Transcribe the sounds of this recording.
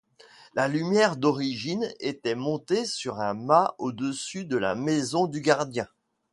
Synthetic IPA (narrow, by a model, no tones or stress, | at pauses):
lalymjɛʁd̪ɔʁiʒinet̪ɛmɔ̃t̪esyʁɛ̃maod̪əsyd̪əla̰mɛzɔ̃d̪yɡaʁd̪jɛ̃